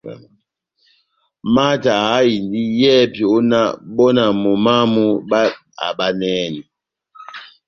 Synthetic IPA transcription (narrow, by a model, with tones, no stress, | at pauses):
ma˦ta˨a˨˦i˨ndi˦jɛ˦pi˨o˦na̰˦bɔ˦na˨mo˨ma˦mu˦ɓa˦ | a̰˨ba˦nɛː˦ni˨